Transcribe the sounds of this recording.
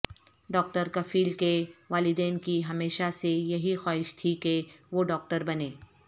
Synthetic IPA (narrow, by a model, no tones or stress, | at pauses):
ɖɔːk̚ʈəɾkɐfiːlkeʋaːlɪd̪eːnkiɦɐmeːʃasejɐɦixaːɦɪʃt̪ʰikeʋoːɖɔːk̚ʈəɾbɐneː